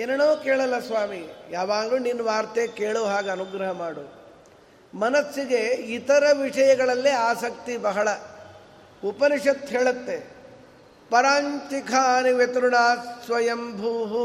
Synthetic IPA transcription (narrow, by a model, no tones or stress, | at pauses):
eːnɐnoːkeːɭɐlːɐsʋaːmijaːʋaːɡluːninːʋaːɾt̪eːkeːɭoːɦaːɡeɐnuɡɾɐɦɐmaːɽu | mɐnɐsːiɡeit̪ɐɾɐʋiʂɐjɐɡɐɭɐlːiaːsɐk̚t̪ibɐɦɐɭɐ | upɐɾiʂɐt̪ɦeːɭɐt̪ːe | pɐɾaːnt͡ʃikʰaniʋet̪ɾuɳaːsʋɐjɐmbʱuːɦu